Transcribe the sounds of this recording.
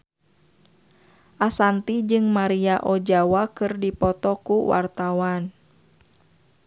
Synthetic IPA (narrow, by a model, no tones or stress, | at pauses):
ʔasant̪id͡ʒɨŋmaɾiaʔɔd͡ʒawakɨrdipɔt̪ɔkuwa̰rt̪awan